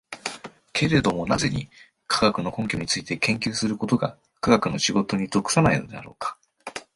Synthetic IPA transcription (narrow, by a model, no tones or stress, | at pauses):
kʰe̞ɾe̞d̪o̞mo̞naze̞ɲ̟ḭ | kʰaɡakɯ̟no̞kõ̞ŋkʲo̞ɲ̟it͡sɨit̪e̞kẽ̞ŋkʲɨːsɨɾɯ̟ko̞t̪o̞ɡa̰ | kaɡakɯ̟no̞ɕiɡo̞t̪o̞ɲ̟it̪o̞kɯ̟̥sanaino̞d̪e̞̰a̰ɾo̞ːkḁ